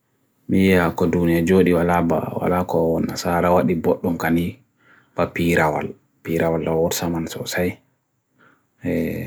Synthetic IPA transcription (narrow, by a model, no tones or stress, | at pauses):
mijɛhakɔdunijad͡ʒoːɗiwalaba̰wa̰lakɔnasaɾawaɗibɔɗːɔmkani | b̥apiɾawa̰l | piɾawalːawɔɾsamansɔ̰saj | ɛ